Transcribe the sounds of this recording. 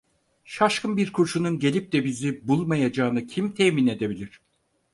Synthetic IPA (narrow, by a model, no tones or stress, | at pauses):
ʃaʃkʰɯnbiɾkʰuɾʃununɟe̞lʲip̚d̪ɛbizibulˠmajad͡ʒaːnɯcʰimt̪ʰɛmine̞d̪e̞bilʲiɾ̥